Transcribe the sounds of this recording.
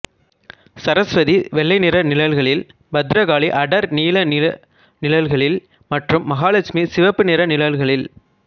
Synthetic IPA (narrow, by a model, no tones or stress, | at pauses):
sɐɾɐsʋɐðiʋɛɭːɐɪnɪɾɐnɪlɐlɣɐɭɪl | bɐd̪ɾɐɣaːɭiʔɐɽɐɾniːlɐnɪɐ | nɪlɐlɣɐɭɪl | mɐʈrɯmːɐɣaːlɐt͡ʃmisɪʋɐpːɯnɪɾɐnɪlɐlɣɐɭɪl